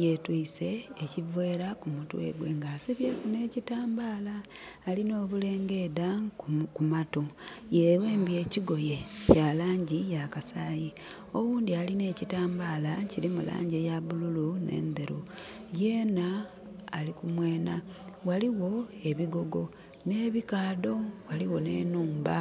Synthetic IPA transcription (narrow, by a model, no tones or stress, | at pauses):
jetwise̞ːcivwe̞ːɾakumutwḛɡweŋɡasiβjeːkune̞ːcitaːmbaːlaː | lino̞ːβule̞ːŋɡe̞dakumatujewe̞ːmbje̞ːciɡo̞jecalaːɲɟijakasaːji | oɣuːnd̪ialine̞ːcitaːmbaːlaciɾimṵla̰ːɲɟejaβululunḛːnd̪eɾujeːnaː | likumweːnawaliwo̞e̞βiɡo̞ɡo̞ | ne̞ːβikaːdo̞waliwo̞nḛːnuːmba̰